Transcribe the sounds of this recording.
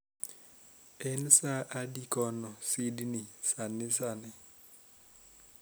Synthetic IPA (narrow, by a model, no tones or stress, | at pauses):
ɛnsaʔadikɔnɔsidnɪsanɪsanɪ